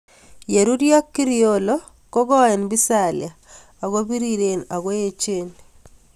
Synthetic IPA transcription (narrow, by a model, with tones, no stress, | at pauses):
je˨ɾu˦dija˦kːi˦ɾio˨lo˦ | ko˦ɡɔ˦ɛ˨nbi˦sa˦˨lj̰a˨ | a˨ɣo˦bi˦ɾi˦ɾe˨na˨ɣwo˦je˦t͡ʃe˦n